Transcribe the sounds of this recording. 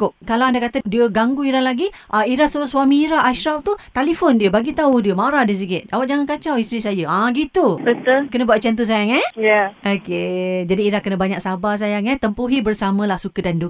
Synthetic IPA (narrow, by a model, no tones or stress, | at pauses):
kʊʔkalawandakat̪ədiəɡaŋɡuiɾanlaɡi | ʔaiɾasoswamiːɾaʔaʃɾaft̪ut̪alifɔndiəbaɡit̪audiəmaɾahdiəs̬iɡɪʔ̪̚d͡ʒawat̪̚d͡ʒaŋankat͡ʃawist̪ɾisajəaɡit̪ubət̪ʊlkənəbuat̚t͡ʃant̪us̬ajaŋɛjaoked͡ʒadiːɾahkːənəbaɲak̚sabas̬ajaŋɛt̪əmpuɦibərsamə̃lahsukədandu